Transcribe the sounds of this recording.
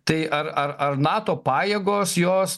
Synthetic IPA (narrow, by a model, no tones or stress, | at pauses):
t̪ɐɪʔɐɾɐɾɐrnɑːt̪oːpɑːjeːɡoːsjoːs